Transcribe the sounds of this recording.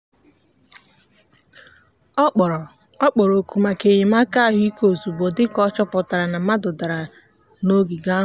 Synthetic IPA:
k͡pɔ˨ɾo˨ku˨ma˨ke˨jɪ˨ma˦ka˦˨ɦʊ˦i˦ko˨zu˨bo˨dɪ˦kɔ˦t͡ʃɔ˦pʊ˨ta˨ɾa˨na˨ma˦dʊ˨da˨ɾa˨ | no˦ɡi˨ɡa˦˨

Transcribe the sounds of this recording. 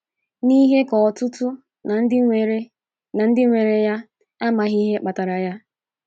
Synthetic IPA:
ni˦ɦe˦kɔ˨ɔ˨tʊ˦tʊ˦˨˦ | e˨ɾ | na˨n̩˦dɪ˦ŋʷe˨ɾe˨ja˦ | a˦ma˨ɦi˦ɦe˦k͡pa˨ta˨ɾa˨ja˦

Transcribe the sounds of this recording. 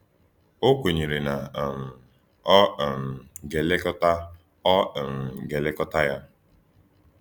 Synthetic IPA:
o˦kʷe˨ɲe˨ɾe˨na˨m̩˨˦˨ | m̩˨ɡe˨le˦kɔ˦ta˦˨ | m̩˨ɡe˨le˦kɔ˦ta˦ja˦

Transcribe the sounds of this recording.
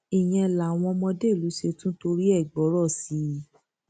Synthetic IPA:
i˨j̃ɛ̃˧la˨w̃ɔ̃˧mɔ̃˧de˦˨lu˨˦ʃe˧tũ˦to˧ɾi˦ɛ˦˨ɡ͡bɔ˨˦ɾɔ˦˨si˨˦

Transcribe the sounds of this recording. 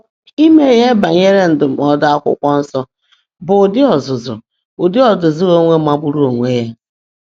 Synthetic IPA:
i˦me˨ɦe˦ba˨ɲe˦ɾe˦n̩˨dʊ˨m̩˨ɔ˦da˦a˦kʷʊ̰˦kʷɔ˦n̩˦sɔ˦ | bʊ˨dɪ˦ɔ˨zʊ˨zʊ̰˨ | ʊ˨dɪ˦ɔ˨zʊ˨zʊ˦ɣo˦ŋʷe˦ma˦ɡ͡bu˦ɾu˦o˨ŋʷe˦ja˦

